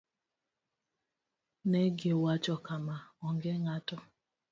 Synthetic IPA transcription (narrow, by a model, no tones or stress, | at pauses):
nɛɡewat͡ʃɔkamaɔŋɡɛŋatɔ